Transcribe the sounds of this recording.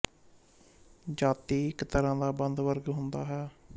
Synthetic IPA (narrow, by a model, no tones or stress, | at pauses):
d͡ʒaːt̪iːɪkt̪əɾãːd̪aːbənd̪ʋəɾɡɦʊnd̪a̰ːɦɛː